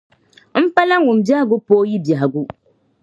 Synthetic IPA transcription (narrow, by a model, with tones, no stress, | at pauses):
m̩˦pa˦la˦ŋ˦u˨m˨bja˦hɡu˦poː˦ji˦ba˨ha˨ɡu˦